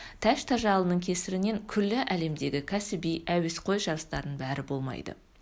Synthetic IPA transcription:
t̪ʰæʃt̪ʰɑʒɑlˠənəɴkʲʰe̞sɪɾɪne̞ŋkʲʰʏɾlːɪʔæle̞md̪e̞ɡʲɪkʲʰæsɪbijæwesqʰo̞jʒɑɾəst̪ɑɾd̪əɴbæɾɪbo̞lˠmɑ̰jd̪ə̰

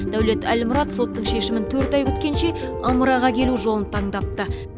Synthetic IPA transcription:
d̪̥æwle̞t̪æ̰lmʊɾɑt̪so̞t̪ːəɴʃe̞ʃɪmɪnt̪ʰɵɾt̪ɑjkʲʰʏ̥t̪kʲe̞nʃe̞ | ɑməɾɑʁɑkʲʰe̞luʒo̞lˠənt̪ʰɑɴd̪ɑp̚t̪ə

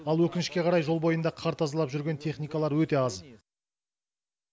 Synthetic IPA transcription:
ɑlˠwɵkʲɪnɪʃkʲe̞qʰɑɾɑjʒo̞lˠbo̞jənd̪ɑqʰɑɾt̪ɑzəlˠɑpʒʏɾɡʲe̞nt̪ʰe̞χnijkɑlˠɑɾwɵt̪e̞ɑz

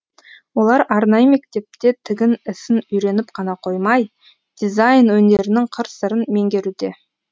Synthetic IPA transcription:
wo̞lˠɑɾɑɾnɑjəme̞k̚t̪e̞p̚t̪e̞t̪ʰɪɡʲɪnɪsɪnʏjɾe̞nɪpqʰɑnɑqʰo̞jmɑj | d̪̥izajnwɵnd̪e̞ɾɪnɪŋqʰəɾsəɾənme̞ŋɡʲe̞ɾud̪e̞

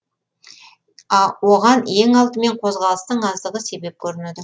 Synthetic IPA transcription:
ɑwo̞ʁɑne̞ŋɑlˠt̪əme̞ɴqʰo̞zʁɑlˠəst̪əɴɑzd̪əʁəse̞be̞p̚kʲʰɵɾɪned̪ɪ

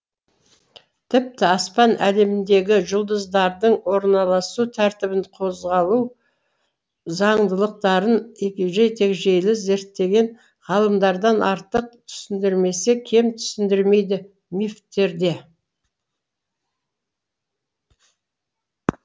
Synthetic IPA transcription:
t̪ʰɪp̚t̪ɪɑspɑnʔæle̞mɪnd̪e̞ɡʲɪʒʊlˠd̪əzd̪ɑɾd̪əɴwo̞ɾnɑlˠɑsut̪ʰæɾt̪ɪbɪɴqʰo̞zʁɑlˠu | zɑɴd̪əlˠəq̚t̪ɑɾənekʲeʒejt̪ʰe̞kʒe̞jlɪze̞ɾt̪ːe̞ɡʲe̞ɴ | ʁɑlˠəmd̪ɑɾd̪ɑnʔɑɾt̪əq̚t̪ʰʏ̥sɪnd̪ɪɾme̞se̞kʲʰe̞mt̪ʰʏ̥sɪnd̪ɪɾme̞jd̪ɪ | mift̪ːe̞ɾd̪e̞

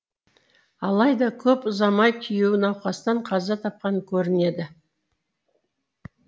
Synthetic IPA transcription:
ɑlˠɑjd̪ɑkʲʰɵpʊzɑmɑjk̪ʲʰijuwɪnɑwqɑst̪ɑɴqʰɑzɑt̪ʰɑp̚qɑŋkʲʰɵɾɪne̞d̪ɪ

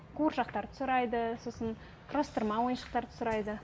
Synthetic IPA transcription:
kʰoɾʃɑqt̪ɑɾt̪ʰʊ̥sɾɑjd̪əsosən | rɑst̪əɾmɑwo̞jənʃə̥q̚t̪ɑɾt̪ʰʊ̥sɾɑjd̪ə

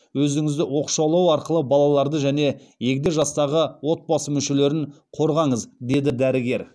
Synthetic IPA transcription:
wɵzɪŋɪzd̪ɪwo̞qʃɑwlˠɑwɑɾqəlˠəbɑlˠɑlˠɑɾd̪əʒæne̞ | je̞kʲd̪eʒɑst̪ɑʁəwo̞t̪̚bɑsəmʏʃe̞le̞ɾɪɴ | qʰo̞ɾʁɑɴəzd̪e̞d̪ɪd̪æɾɪɡʲe̞ɾ

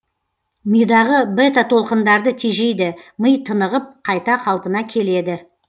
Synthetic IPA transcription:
mijd̪ɑʁəbet̪at̪ʰo̞lˠqənd̪ɑɾd̪ət̪ʰeʒe̞jd̪ɪməjt̪ʰənəʁəp̚qʰɑjt̪ɑqʰɑlˠpənɑkʲʰe̞le̞d̪ɪ

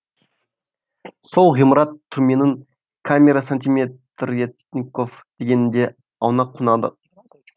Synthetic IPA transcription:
so̞lˠʁijmɾɑt̪ʰːʊɾme̞nɪŋ | kʰamʲeɾasant̪imʲet̪ɾet̪nʲikofd̪̥eɡʲenɪnd̪e̞ɑwnɑqʰːʊnɑd̪ə̰

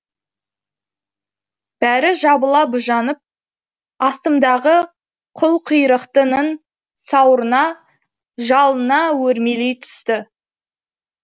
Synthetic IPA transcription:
b̥æɾɪʒɑbəlˠɑbʊʒɑnəp̚ | ɑst̪əmd̪ɑʁə | qʰʊlˠqʰujɾəqt̪ənən | sɑwɾənɑ | ʒɑlˠənɑwɵɾme̞lejt̪ʰʏ̥st̪ɪ

